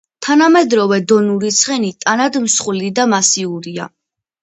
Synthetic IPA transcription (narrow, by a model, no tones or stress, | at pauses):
t̪ʰanamɛd̪ɾɔvɛd̪ɔnuɾit̪sʰχɛnit̪ʼanad̪msχulid̪amasiuɾia̰